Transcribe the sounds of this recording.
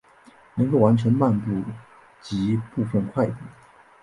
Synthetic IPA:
nə˧˥ŋko˥˩ʊwa˧˥nʈ͡ʂʰə˧˥nma˥˧npu˥˩ | t͡ɕi˧˥pu˥˧fə˥˧nkʰwa˥˩ɪt̪i˥˩

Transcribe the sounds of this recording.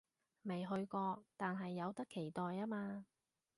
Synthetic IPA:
me˨˩jɦɵ˧ɥkɔː˧t̪aː˨nɦɐ˨jːɐ˨˧wt̪ɐ˥kʰe˨˩jt̪ɔː˨jaː˥maː˧

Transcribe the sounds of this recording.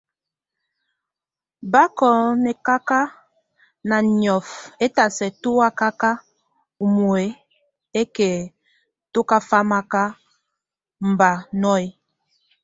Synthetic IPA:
ba˦kɔ˨nɛ˨ka˦ka˦ | na˨njɔ˨fe˦ta˨sɛ˨tu˦a˦ka˦ka˦ | u˨mu˨e˨˦ | e˦ke˨ | to˦ka˦fa˦ma˦ka˦ | m̩˨ba˨nɔ˦e˦

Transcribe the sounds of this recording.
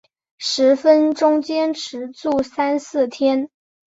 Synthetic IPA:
ʂɻ̩˧˥fə˥nʈ͡ʂʊ˥ŋt͡ɕjɛ˥nʈ͡ʂʰɻ̩˧˥t͡su˥˩sa˥nsɹ̩˥˩t̪ʰjɛ˥n

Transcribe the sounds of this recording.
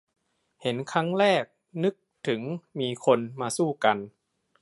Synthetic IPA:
he˩˦nkʰa˦˥ŋɾɛː˥˩k̚ | nɯ˦˥k̚t̪ʰɯ˩˦ŋmiː˧kʰo˧nmaː˧suː˥˩ka˧n

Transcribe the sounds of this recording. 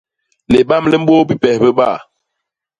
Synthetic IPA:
le˨ɓa˦mlɛ˦m̩˦ɓo˦bi˦pɛ˨hbə˦ɓa˦˨

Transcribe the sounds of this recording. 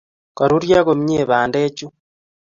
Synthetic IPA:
ka˨ɾu˦ɾja˦ɣo˨m˦ɲeː˨βaː˨ndeː˦t͡ʃu˦

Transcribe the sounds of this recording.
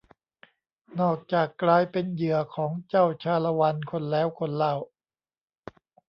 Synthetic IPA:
nɔː˨˩k̚t͡ɕaː˨˩kːlaː˧jpe˧njɯ˨˩ɐkʰɔː˩˦ŋt͡ɕa˥˩wt͡ɕʰaː˧la˧wa˧nkʰo˧nlɛː˦˥˩wkʰo˧nlaː˧˩w

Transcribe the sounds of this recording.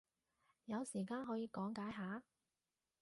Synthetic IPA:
jɐ˨˧wsiː˨˩kaː˧nɦɔː˨˥jiː˨˧kɔː˨˥ŋkaː˨˥jɦaː˨˥

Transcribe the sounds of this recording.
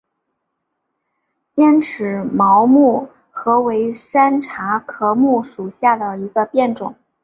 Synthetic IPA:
t͡ɕjɛ˥nʈ͡ʂʰɻ̩˧˥mɑ˧˥ʊmu˥˩ | xɤ˧˥we˧˥ɪʂa˥nʈ͡ʂʰa˧˥kʰɤ˧˥mu˥˩ʂu˨˩ɕja˥˩d̪ə˩i˧˥ɡə˧pjɛ˥˩nʈ͡ʂʊ˨˩˦ŋ

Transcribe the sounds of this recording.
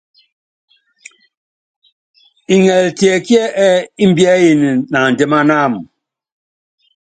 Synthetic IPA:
i˨ŋɛ˨ltjɛ˨kjɛ˦ʔɛ˦i˦m̩˦bja˦ji˨ni˨na˨n̩˨de˦ma˦na˦˨m˨

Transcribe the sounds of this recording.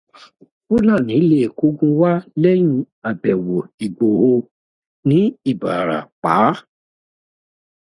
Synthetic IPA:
u˦nã˦˨nĩ˨˦le˦˨ko˦ɡũ˦wa˦lɛ˦jũ˧˦ | a˨bɛ˨wo˨i˨ɡ͡bo˨ho˧ | nĩ˨˦i˦˨ba˨ɾa̰˨k͡pa̰˨˦

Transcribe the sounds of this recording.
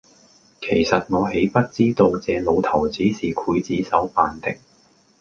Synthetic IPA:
kʰe˨˩jsɐ˨t̚ŋɔː˨˧ɦe˨˥jpɐ˥t̚t͡siː˥t̪o˧wt͡sɛː˨˧lo˨˧wt̪ʰɐ˨˩wt͡siː˨˥siː˨kʰuː˨˥jt͡siː˨˥sɐ˨˥wfaː˨nt̪ɪ˨k̚

